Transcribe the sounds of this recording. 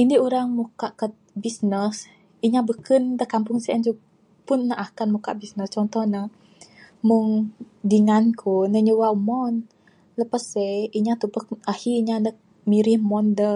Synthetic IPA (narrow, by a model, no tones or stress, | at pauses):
indiuɾaŋmukaʔkət̪̚bisnəs | iɲabəkəndəkampuŋsɛʔənd͡ʒu | punːəʔakanmuka̰ʔbisnəst͡ʃɔnt̪ɔhnə | muŋdiŋankʰunəɲuwaumɔn | ləpasəiɲat̪upək̚ahiiɲanə | miɾihmɔndə